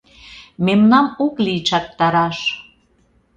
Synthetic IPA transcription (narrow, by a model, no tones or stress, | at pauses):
memnɑmoklit͡ʃɑk̚t̪ɑɾɑʃ